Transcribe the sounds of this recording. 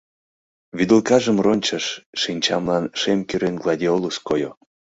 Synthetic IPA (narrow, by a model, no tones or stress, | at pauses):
βyd̪əlˠkɑʒəmronʲt͡ɕəʃʃinʲt͡ɕɑmlɑnʃemkyɾenɡlˠɑdʲiolˠuskojo